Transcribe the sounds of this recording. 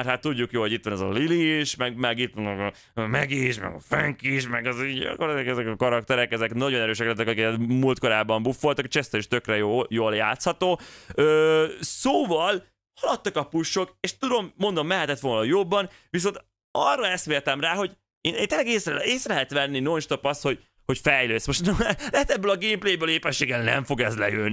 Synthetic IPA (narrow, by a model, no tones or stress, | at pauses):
mɛɾhat̪ːuɟːukjoːlho̞ɟit̪ʋɒnɛzɒ̰liliʃmɛɡmɛɡit̪ʋɔnɛkɒ | mɛɡiʃmɛ̰ɡɒ̰fɛŋkiʃmɛɡɒziːɟɒ̰koɾɛzɛkɛzɛkɒkɒɾɒk̚t̪ɛɾɛkɛzɛknɒɟo̞nɛɾøːʃɛklɛt̪ːɛkɒkiɛmult̪ko̞ɾaːbːɒmbufːo̞lt̪ɒkeʃɛst̪ɛiʃt̪ø̞krɛjojoːlja̰ːt̪shɒt̪oːøːsoːvɒl | hɒlɒt̪ːɒkɒpuʃːo̞keːʃt̪ud̪o̞mːond̪o̞mːɛɦɛt̪ɛt̪ʋo̞ːlnɒjobːɒn | vis̬o̞nt̪ | ɒrːɒɛst̪meːrt̪ɛmraːɦo̞ɟ | eːneːnt̪eːlɛɡeːseːsɾɛlɛɦɛt̪ʋɛnːinonʃt̪opɒst̪ho̞ɟ | ho̞cfɛjløːsmo̞ʃt̪nlɛɦɛt̪ɛbːøːlɒɡeːmplejbøːleːpɛʃːeːɡɛlnɛ̰ɱfo̞ɡɛzlɛ̰jøni